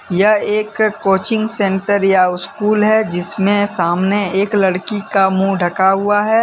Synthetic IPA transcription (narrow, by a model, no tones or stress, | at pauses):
jɐɦeːkkːoːt͡ʃɪ̃ŋɡsẽːɳʈəɾjaʊskuːlɦɛd͡ʒɪsmẽsaːmneeːklɐɽkikamũɖʱɐkaɦuaɦɛː